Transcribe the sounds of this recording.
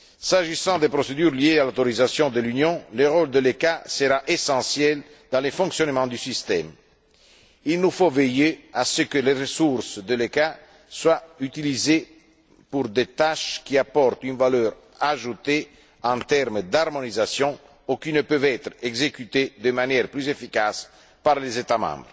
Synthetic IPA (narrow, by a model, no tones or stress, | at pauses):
saʒisɑ̃d̪epɾosed̪yɾliealot̪oɾizasjɔ̃d̪əlynjɔ̃ləʁold̪əlekasəɾaʔesɑ̃sjɛl | d̪ɑ̃lefɔ̃ŋksjonmɑ̃d̪ysist̪ɛm | ilnufovejeasəkəlerəsuɾsd̪əleka | swayt̪ilize | puɾd̪et̪aʃkiapɔrt̪ynvalœːɾ | aʒut̪e | ɑ̃t̪ɛɾmd̪armonizasjɔ̃ | ukinəpøvɛt̪ɾɛɡzekyt̪ed̪əmanjɛɾplyzefikas | paʁlezet̪amɑ̰̃bɾ